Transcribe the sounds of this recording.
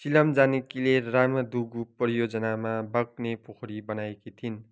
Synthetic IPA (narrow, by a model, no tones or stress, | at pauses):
silʌmd͡zanikileramʌd̪uɡuprʌjod͡zʌnamabʌk̚nepokʰoɾibʌnajekit̪ʰin